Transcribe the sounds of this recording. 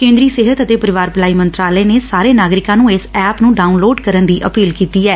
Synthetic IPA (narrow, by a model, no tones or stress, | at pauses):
kẽːnd̪ɾiːseːɦət̪ət̪eːpəɾɪʋaːɾpəlaːiːmənt̪ɾaːlɛeːneːsaːɾeːnaːɡɾɪkãːnũːɪsɛːpnũːɖaːunloːɖkəɾənd̪iːʔəpiːlkiːt̪iːɛː